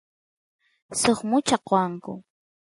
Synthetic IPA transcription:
soχmʊt͡ʃaqoaŋkʊ̰

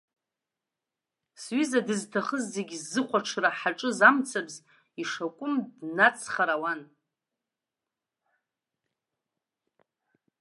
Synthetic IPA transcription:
sɥizadɨztʰaχəzːeɡʲizːɨχʷaʈ͡ʂʰraħaʈ͡ʂʼɨzamt͡sʰabz | iʂakʷʼʊmdnat͡sʰχaɾawan

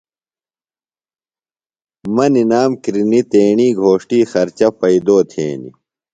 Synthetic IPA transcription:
mɐninaːmkɾinit̪eːɳiːɡʱoːʂʈiːxɐɾt͡ɕɐpɐid̪oːt̪ʰḛːnḭ

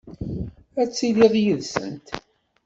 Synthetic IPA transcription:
æt͡sːiliʁjəðsə̰nt̪

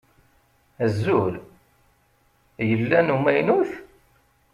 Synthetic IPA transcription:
əzːul | jəlːænumæjnuθ

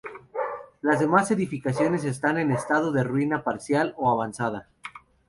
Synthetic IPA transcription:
lazðe̞mase̞ðifikasjo̞ne̞s̬e̞st̪ane̞ne̞st̪að̞oðerwinapaɾsjaloaβansað̞a

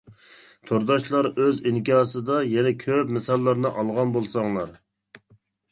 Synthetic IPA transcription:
t̪ʰoɾd̪ɑʃlˠɑɾøziŋkʲiɑːsɨd̪ɑjɛnɛkʲʰøpmɛsɑlˠːɑɾnɨʔɑlˠʁɑnbolˠsɑŋlˠɑɾ

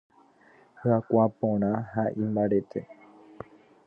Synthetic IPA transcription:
hɨakʷapõɾ̃ãɦaʔĩmbaɾet̪ʰe

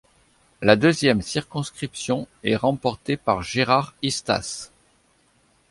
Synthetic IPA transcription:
lad̪øzjɛmsiʁkɔ̃skχipsjɔ̃ɛʁɑ̃pɔʁt̪epaʁʒeʁaʁist̪a̰s

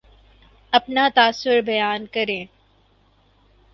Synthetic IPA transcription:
ɐpnat̪aːsːʊɾbɐjaːnkɐɾẽː

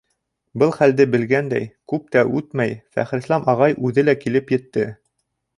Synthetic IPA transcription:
bɤlˠχæld̪ɘbɘ̆lɡænd̪æ̰jkʉp̚t̪æʔʉt̪mæjfæ̰χɾɘ̆slˠɑmʔɑʁɑjʔʉðɘlækilɘpjɘ̆t̪ːɘ

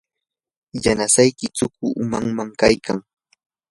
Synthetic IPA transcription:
janasajkɪt͡sʊk̚ʊʔʊmaŋmaŋkajka̰ŋ

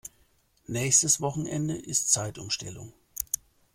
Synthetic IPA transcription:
nɛːçstəsv̥ɔχn̩ʔɛndəʔɪstt͡saɪtʊmʃtʰɛ̰lʊ̰ŋ

